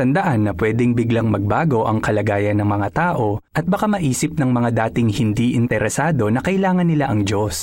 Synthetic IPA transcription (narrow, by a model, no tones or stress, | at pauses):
ɐnd̪ɐʔanːɐpwɛːd̪ɛŋbɪɡlɐŋmɐɡ̚baːɡo̞ʔɐŋkɐlɐɡaːjɐnːɐŋmɐŋat̪aːʔo̞ʔɐt̪̚bɐkamɐʔiːsɪp̚nɐŋmɐŋad̪aːt̪ɪŋhɪnd̪iʔɪnt̪ɛɾɛsaːd̪o̞nɐkɐʔɪlaːŋɐnːɪlaʔɐŋd͡ʒo̞s